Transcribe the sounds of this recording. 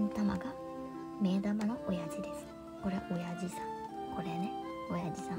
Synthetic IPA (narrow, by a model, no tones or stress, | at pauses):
nt̪ama̰ɡa | me̞ːd̪amanoʔojad͡ʑid̪esɨ̥ | ko̞ɾeʔo̞jad͡ʑisãŋkʰo̞ɾeneojad͡ʑisã